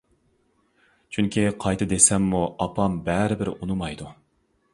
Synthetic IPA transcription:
t͡ʃʰyŋkʲʰiqʰɑjt̪ʰɨd̪esɛmːuɑpʰɑmbɛɾɪbɪɾunumɑjd̪u

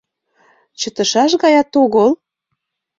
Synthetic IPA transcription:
t͡ɕət̪əʃɑʃɣɑjɑt̪oɣəl

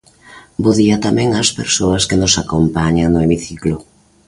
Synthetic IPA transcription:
boðiɐt̪amɛ̃ŋɐspeɾsoɐskenʊsakompaɲaŋnʊemiθiklʊ

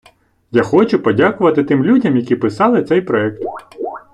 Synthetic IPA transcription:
jaxɔt͡ʃʊpɔdʲakʊʋɐt̪ɪt̪ɪmlʲudʲɐmjɐkʲipɪsɑlˠɪt̪sɛjpɾɔɛk̚t̪

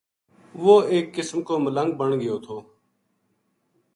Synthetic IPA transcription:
ʋoːeːkːɪsmkoːmələŋɡ̚bəɳɡəjoːt̪ʰoː

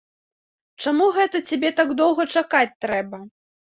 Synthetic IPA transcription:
t͡ʂamuɣɛt̪ɐt͡sʲabʲɛt̪aɡd̪ɔwɣɐt͡ʂakat͡sʲt̪ɾɛbɐ

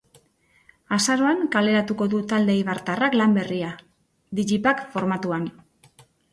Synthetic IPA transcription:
asaɾo̞aŋkale̞ɾat̪uko̞ðut̪ald̪e̞iβaɾt̪araklambe̞ria | ðiʎipakfo̞ɾmat̪uan

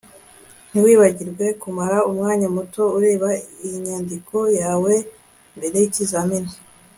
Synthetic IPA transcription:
n̥iwiːβaɟiɾɡwe̞kumaɾaumŋaːɲamuto̞uɾe̞ːβaijiɲaːndikʰo̞jaːwe̞ | mbe̞ɾe̞jicizamini

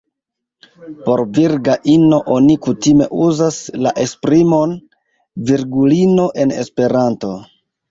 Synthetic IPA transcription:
po̞ɾviɾɡaʔino̞ʔonikutime̞̰ʔuzaslaʔe̞spɾimo̞n | viɾɡulino̞ʔe̞ne̞̰spe̞ɾanto̞

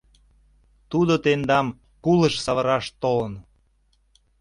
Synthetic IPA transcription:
t̪ud̪ot̪end̪ɑm | kuləʃsɑβəɾɑʃt̪olən

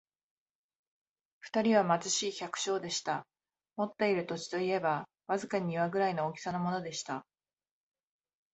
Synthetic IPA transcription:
ɸɯ̟̥t̪aɾʲiβ̞amazɨɕiːçʲakɯ̟̥ɕo̞ːd̪e̞ɕi̥t̪a | mo̞t̪ːe̞iɾɯ̟t̪o̞t͡ɕi̥t̪o̞ie̞ba | βazɨkaɲ̟iiβaɡɯ̟ɾaino̞ːkʲi̥sanomo̞no̞d̪e̞ɕi̥t̪a

